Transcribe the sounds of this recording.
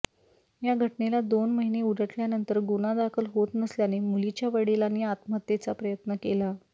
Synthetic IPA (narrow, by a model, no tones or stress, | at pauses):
jaɡʱəʈnelad̪onməɦineuɽəʈljanənt̪əɾɡunad̪akʰəlɦot̪nəsljanemulit͡ɕjaʋəɽelanːiat̪mət̪ːet͡sapɾəjət̪nəkela